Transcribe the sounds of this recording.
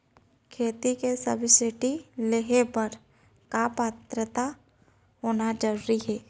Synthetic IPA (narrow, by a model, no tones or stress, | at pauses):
kʰeːt̪ikesəbʱsɪʈileɦepəɾ | kapaːt̪ɾət̪a | ɦoːnad͡ʒəɾuɾiɦɛː